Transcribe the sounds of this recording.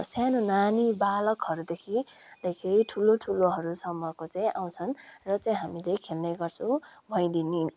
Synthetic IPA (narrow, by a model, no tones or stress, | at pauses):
sanonanibalʌkɦʌɾud̪ekʰi | lʌjkʰejʈʰuloʈʰuloɦʌɾusʌmːʌkot͡saĩʔa̰w̃t͡sʰʌnrʌt͡saĩɦamilekʰelnʌjɡʌrt͡sʰʌ̃bʱʌj̃d̪ini